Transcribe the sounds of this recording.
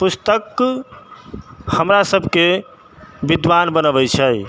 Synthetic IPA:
pust̪ək | həmɾasəbʱke | bid̪ʋanbənəbɛt͡ʃʰəj

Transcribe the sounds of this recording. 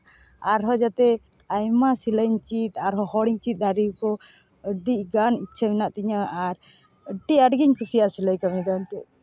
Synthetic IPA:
aɾɦɔd͡ʒat̪ɛ | ajmasiləɲt͡ʃit̪aɾɦɔhɔɽiŋt͡ʃit̪̚ˀd̪aɾiwkɔ | əɖiʔɡanitːt͡ʃʰəmɛnaʔt̪iɲaaɾ | əɖiəɖɡiɲkʰusijasiləjkamid̪ant̪ɛʔ

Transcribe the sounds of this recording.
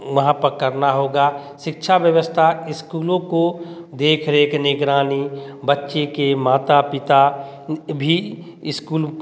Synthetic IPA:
ʋɐɦãpəkəɾnaɦoːɡaʃɪkʃʰaʋjəʋəst̪ʰaɪskuːlõko | d̪eːkʰɾeknɪɡɾaːnibətːʃekemaːt̪apɪt̪a | bʱi | ɪskuːl

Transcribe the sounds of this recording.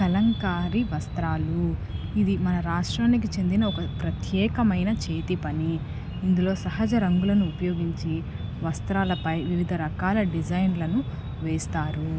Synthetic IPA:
kɐlɐŋkaːɾiʋɐst̪ɾaːluid̪imɐnɐɾaːʂʈɾaːnik̬it͡ʃe̞nd̪inɐɔkɐpɾɐt̪ʰjɛːkɐmɐjnɐt͡ʃeːt̪ipɐniː | nd̪ulo̞ːsɐɦɐd͡ʒɐɾɐŋɡulɐnuːpɐjo̞ːɡiɲt͡ʃi | ʋɐst̪ɾaːlɐpɐjʋiʋid̪ʱɐɾɐkaːlɐɖid͡ʒɐjnlɐnu | ʋeːst̪aːɾu

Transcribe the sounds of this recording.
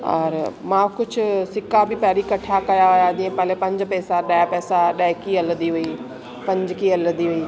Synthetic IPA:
ɔ̰ːɾmãkʊd͡ʑʱʊ̆sɪkabɪpɐɦɾikɐʈʰakɐjaʊjad͡ʑĩːə̃pɐ̃ɦlepɐ̃ɲd͡ʑpɛːsaɗaːjpɛːsaɗaːɦɪkiɐləd̪iɦui | pɐ̃ɲd͡ʑkiɐləd̪iɦuiː

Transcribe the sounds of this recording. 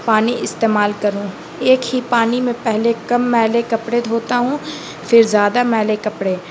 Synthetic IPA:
paːniʔɪst̪eːmaːlkɐɾũː | eːkɦipaːnimẽpɛɦlekɐmːɛːlekɐpɽed̪ʱoːt̪aɦũː | fʰɪɾzjaːd̪amɛːlekɐpɽeː

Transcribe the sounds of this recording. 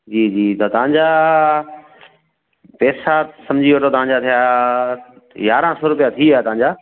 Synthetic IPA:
d͡ʑiːd͡ʑiːt̪t̪ɐʋ̤ãɲd͡ʑaː | pɛːsasɐmd͡ʑʱiot̪ʰot̪ɐʋ̤ãɲd͡ʑaːt̪ʰija | jaːɾãsoːɾʊpijat̪ʰiat̪ɐʋãɲd͡ʑaː

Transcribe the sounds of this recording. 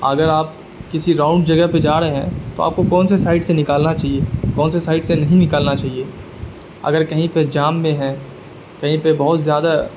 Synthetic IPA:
ɐɡəɾaːp̚ | kɪsiɾãːʊ̃ɳɖd͡ʒɐɡəɦped͡ʒaːɾɦɦɛ̰̃t̪oa̰ːp̚kokɔ̃ːnsesaːɪɖsenɪkaːlnat͡ʃaːɦiekɔ̃ːnsesaːɪɖsenɐɦĩnɪkaːlnat͡ʃaːɦieː | ɐ̰ɡəɾkɐɦĩped͡ʒaːmːẽɦɛ̃ | kɐɦĩpebɐɦʊt̪zjaːd̪a

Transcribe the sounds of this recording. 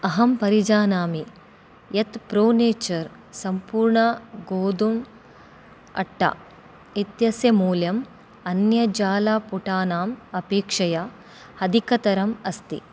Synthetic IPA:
ɐɦɐmpɐɾid͡ʒaːnaːmi | jɐt̪pɾoːneːt͡ʃɐɾ | sɐmpuːɾɳɐɡoːd̪um | ɐ̰ʈːɐ̰ | it̪jɐsjɐmuːljɐm | ɐnjɐd͡ʒaːlaːpuʈaːnaːmɐpeːkʂɐjɐ | hɐd̪ikɐt̪ɐɾɐmɐst̪ḭ

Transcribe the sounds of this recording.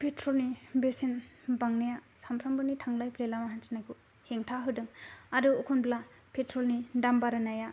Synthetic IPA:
pʰetʰɾolnibesinbaŋnajasampʰɾambɯnitʰaŋlajpʰɾelamaɦansinajɡu | heŋtʰaɦɯdɯŋaduːkʰunbla | pʰetɾolnidambaɾanaja

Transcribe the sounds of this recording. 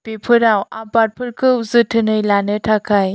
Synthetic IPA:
pepʰɯɾawabaɾ̚pʰɯɾkʰɯwzɯtʰɯnɯjlanɯtʰakʰaj

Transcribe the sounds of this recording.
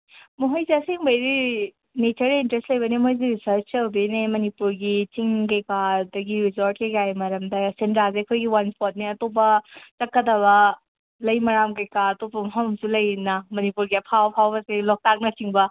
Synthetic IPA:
moɦojziɐseŋbɐjɾi | net͡ʃɐɾintɾestlɐjbɐnemojziɾisɐɾt͡ʃt͡ʃɐwbinemɐnipuɾɡit͡ʃiŋkɐjkadɐɡiɾizoɾt̚kikajmɐɾɐmdɐsentɾazeɐkʰojɡiwanpʰɔt̚niɐtop̬ɐt͡ʃɐkːɐdɐβɐ | lɐjmɐɾamkɐjkaɾɐtopɐmɦɐmmsulɐjnɐmɐnipuɾɡiɐpʰawpʰawbɐselɔk̚tak̚nɐt͡ʃiŋbɐ

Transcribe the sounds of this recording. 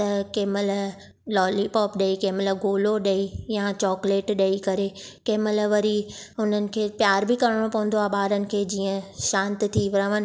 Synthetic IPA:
t̪ɐkeːməl | lɔːlipɔːpɗɐikeːməlɡoːloɗɐijat͡ɕɔːkleːʈɗɐikɐɾekeːməlʋɐɾiɦʊn̤ənɪ̆kʰeːpjaːɾbɪkɐɾəɽ̃opɐ̃ɦʊ̃n̆d̪oaːɓaːɾənɪ̆kʰeːd͡ʑiːə̃ʃãːnt̪t̪ʰiʋɪɾəʋənɪ̆

